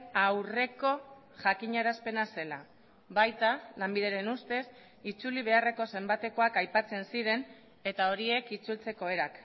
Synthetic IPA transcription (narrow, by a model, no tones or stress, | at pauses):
awre̞ko̞ | ʝakiɲaɾaspe̞nase̞la | βajt̪alambiðe̞ɾe̞nust̪e̞s | it͡suliβ̞e̞are̞ko̞se̞mbat̪e̞ko̞akajpat͡se̞nsiɾe̞n | e̞t̪ao̞ɾie̞kit͡sult͡se̞ko̞e̞ɾak